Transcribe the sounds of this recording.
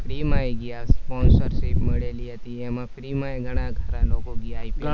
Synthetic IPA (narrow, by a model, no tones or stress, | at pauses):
fʰɾimajɡijaspɔnsəɾʃepməɭeliɦət̪iɛmãpɾimaeɡʱəɽ̃ãɡʱəɾãlokoɡijaipi